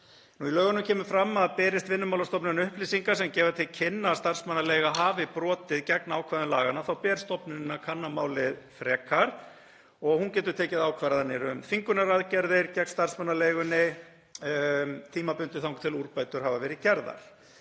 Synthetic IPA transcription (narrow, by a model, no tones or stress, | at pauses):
nuilœːɣʏnʏmcʰɛːmʏfɾamːaðpɛːɾɪst̪vɪnːʏmawlast̪ɔpnɪnʏhplisiŋkasɛmcɛːvat̪ʰɪlcʰɪnːast̪ar̥smanːaleːjɣaɦaːvɪpɾɔːt̪ɪðcɛknaaːwkʰvaðʏmlaːɣanːaθawpɛːɾ̥st̪ɔpnɪnɪnːakʰanːamaːwlɪðfɾɛːkʰːaɾ̥ | ɔɣhuncɛːt̪ʏɾt̪ʰɛːcɪðaːwkʰvaːɾaðθanːɪɛɾʏmfiŋkʏnaɾaðcɛɾðɪɾcɛknst̪ar̥smanːalejɣʏnːɪ | t̪ʰiːmapʏnt̪ɪθawŋkt̪ʰɪluɾpaːjt̪ʏɾ̥havavɛːɾɪðcɛɾða̰ɾ̥